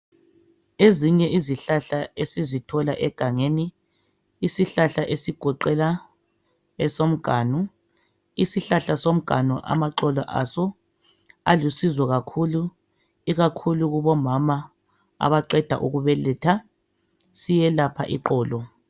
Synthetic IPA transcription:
eziɲɛʔiziɬaɬaesizitʰɔlaʔɛɡ̥ʱaŋeniː | siɬaɬaʔesiɡ̥ʱɔǃɛla | ɛsom̩ɡ̥ʱaːnu | isiɬaɬasom̩ɡ̥ʱa̰nuʔa̰maǃɔlɔ̰ʔa̰sɔ | alusizwɔɣakʰulu | iɣakʰuluɣuβɔmama | a̰βaǃɛd̥ʱa̰ʔuɣuβɛlɛtʰa | sijɛlapʰa̰ʔiǃɔːlɔ

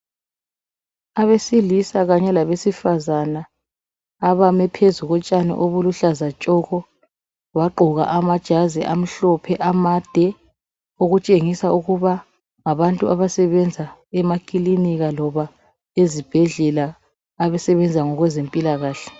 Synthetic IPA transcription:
aβesilisaɣaɲɛlaβesifazanaː | βamɛpʰezuɣɔt͡ʃʼanɛ̰ʔoβuluɬazat͡ʃʼɔɣɔ | βaǃʱɔɣa̰ʔamad̥ʒ̥ʱaziʔam̩ɬɔpʰɛʔamad̥ʱɛ | oɣut͡ʃʼeŋisauɣuβa | ŋaβantʼuʔaβasɛβɛnd͡zʱaɛmakʼiliniɣalɔβa | ezib̥ʱɛɮɛlaː | βɛsɛβɛnd͡zʱaŋɔɣwɛzempʼilaɣaːɬɛ̥

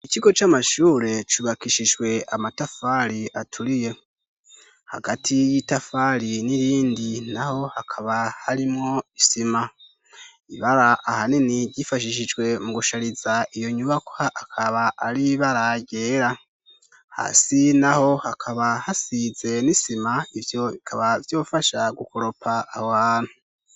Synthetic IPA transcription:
it͡ʃiɡo̞t͡ʃamaʃuːɾe̞t͡ʃuβakiʃid͡ʒɡwe̞amatafaɾiatʰuɾije̞ | ha̰ɡatʰijitafaɾiniɾiːndinaho̞hakʰaβahaɾimŋoisima | iβaɾaʔːhaniniɟifaʃiʃ̬id͡ʒɡwe̞muɡuʃaɾizaʔijo̞ɲuβakwaʔakʰaβaʔːɾiβaɾaɟe̞ɾa | ha̰ːsinaho̞hakʰaβahasize̞nisimaivjo̞βikʰaβavjo̞ːfaʃaɡukoɾo̞pʰaːwaːnhu

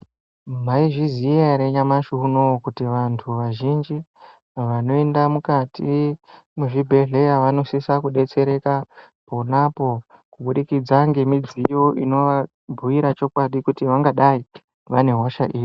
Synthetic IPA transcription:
m̤aiʐiziaɾeɲamaʃuɦunookutiʋantʰuʋaʒind͡ʒi | ʋano̞endamukati | muʐibʱe̞ɮe̞jaʋano̞sisakuɗe̞t͡se̞ɾe̞ka | ponapo̞ | kuɓuɗikid͡zaŋɡe̞mid͡zijo̞ʔino̞ʋa | bʱuʋiɾat͡ʃo̞kwaɗikutiʋaŋɡaɗai | ʋane̞ɦo̞ʃaʔiːʋi

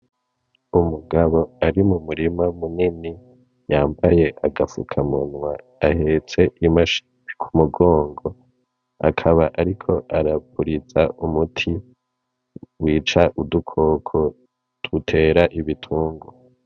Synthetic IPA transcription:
umuɡaβo̞aɾimumuɾimamunini | jaːmbaje̞ʔaɡafṵkʰamunwaː | he̞t͡se̞ʔimaʃi̥ | i̥kʰumuɡo̞ːŋɡo̞ | a̰kʰaβaʔaɾikʰo̞ʔaɾapʰuɾizaumutʰi | wiːt͡ʃaʔudukʰo̞ːkʰo̞ | d̥utʰe̞ːɾaʔiβitʰuːŋɡo

